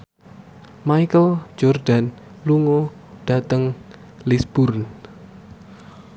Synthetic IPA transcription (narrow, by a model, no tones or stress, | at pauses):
majkəld͡ʒɔrdan | luŋo | ɖ̥at̪əŋ | lisb̥urn